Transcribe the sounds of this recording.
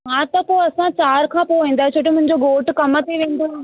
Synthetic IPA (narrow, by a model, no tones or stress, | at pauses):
mãːt̪ɐpoːɐsãt͡ɕaːɾkʰãːpoːʋẽːnd̪aːt͡ɕʰoːʈ̬emʊ̃ɦɪ̃ɲd͡ʑoɡoːʈkɐmət̪ʰeʋẽːnd̪o